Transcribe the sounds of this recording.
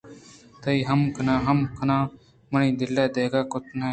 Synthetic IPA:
t̪əiːɦəmkənãːɦəmkʰənãː | mənĩːd̪ɪlɛːd̪eːɡaːkʊt̪nẽː

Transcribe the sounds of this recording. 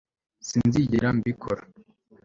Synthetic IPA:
sinziɟiɾambikʰo̰ɾa

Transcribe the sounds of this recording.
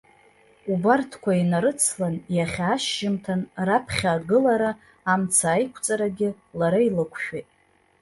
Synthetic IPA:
ubartʰkʷʰainaɾɨt͡sʰlanjaχʲaːʃʒɪmtʰanrapʰχʲaːɡɨlaɾaː | mt͡sʰaːjkʷʰt͡sʼaɾaɡʲɪ | laɾailɨkʷʰʃᶣitʼ

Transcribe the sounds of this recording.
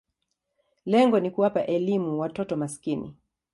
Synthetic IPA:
lɛŋɡɔnikuwapaʔɛlimuwatɔtɔmaskinḭ

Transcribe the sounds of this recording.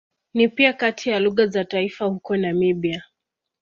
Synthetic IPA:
nipiakatʰijaluɣazataifahukɔnamiɓia

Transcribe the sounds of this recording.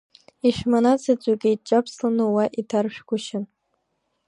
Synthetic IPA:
iʃᶣmanat͡sʰat͡ɕʷʼakʲʼij̚t͡ʃʼapʰslanɨwaʔitʰarʃᶣɡʷʊʃɪn

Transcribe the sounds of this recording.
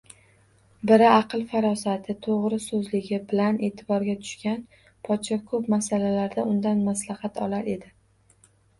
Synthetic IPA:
bɪɾɪɑqɨlˠfaɾɒsat̪ʰɪt̪ʰoʁɾɪsɵzlɪɡʲɪbɪlane̞ːt̪ʰɪbɒɾɡʲat̪ʰʊ̥ʃkʲan | pʰɒt̪ʃɒkʰɵpmasalalaɾd̪aʊnd̪anmaslɑhɑt̪ʰɒlaɾe̞d̪ɪ

